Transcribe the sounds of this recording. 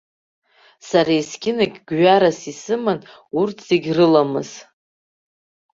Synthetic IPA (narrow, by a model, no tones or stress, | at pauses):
saɾajskʲɪnaɡʲɡɥaɾasisɨman | urtʰz̥eɡʲrɨlamɨz̥